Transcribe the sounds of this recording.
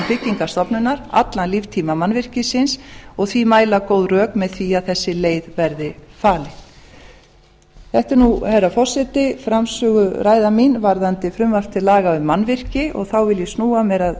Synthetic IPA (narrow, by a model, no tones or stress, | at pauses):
pɪcːiŋkast̪ɔpnʏnːaɾa̰t̪lanlivt̪ʰiːmamanvɪr̥cɪsɪnsɔɣθvimaːjlakowðrœːkmɛðθviaðθɛsːɪleːjðvɛɾðɪfaːlɪ | θɛht̪ɪɾnuhɛɾafɔr̥sɛt̪ɪfɾamsʏːɣʏɾaːjðaminvaɾðant̪ɪfɾʏmvaft̪ʰɪlaːɣaʏmːanvɪr̥cɪʔɔ̰ɣθawvɪljɛsnuːamɛɾað